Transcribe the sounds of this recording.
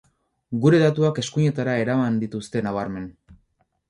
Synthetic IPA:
ɡuɾe̞ðat̪uake̞skuɲe̞t̪aɾae̞ɾamand̪it̪ust̪e̞naβ̞aɾme̞n

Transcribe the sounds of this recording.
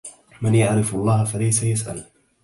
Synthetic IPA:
manjaʕɾɪfɑlˤːɑːhfalajsajasʔa̰l

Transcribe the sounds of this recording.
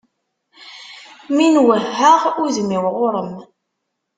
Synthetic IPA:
minwəhæʁuðmiwʁʊɾˤəm

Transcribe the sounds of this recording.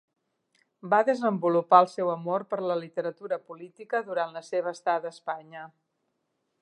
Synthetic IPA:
baðəzəmbulupaəlˠsɛwəmoɾpəɾləlit̪əɾət̪uɾəpulit̪ikəðuɾanləseβ̞əːst̪at̪əspaɲə

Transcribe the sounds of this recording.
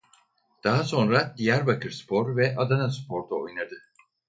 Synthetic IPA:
d̪̥aɦaso̞nɾad̪ijæɾbakʰɯɾspʰo̞ɾvɛʔad̪anaspʰo̞ɾd̪ao̰jnad̪ɯ

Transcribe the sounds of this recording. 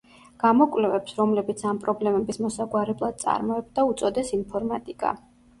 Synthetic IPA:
ɡ̥amɔkʼwlɛvɛpsɾɔmlɛbit̪sʰampʼɾɔblɛmɛbismɔsaɡwaɾɛblˠad̪̥̚t̪sʼa̰ɾmɔɛb̚d̪aut̪sʼɔd̪ɛsinpʰɔɾmat̪ʼikʼa̰

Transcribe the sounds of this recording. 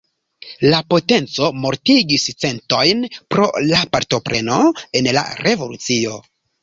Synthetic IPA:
lapo̞te̞nt͡so̞mo̞ɾtiɡist͡se̞nto̞jnpɾo̞̰lapaɾto̞pɾe̞no̞e̞nla̰ɾʔe̞vo̞lut͡sio̞

